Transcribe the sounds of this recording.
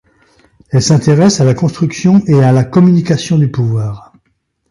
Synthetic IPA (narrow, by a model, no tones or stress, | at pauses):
ɛlsɛ̃t̪eʁɛsalakɔ̃st̪χyksjɔ̃ʔealakɔmynikasjɔ̃d̪ypuvwaːʁ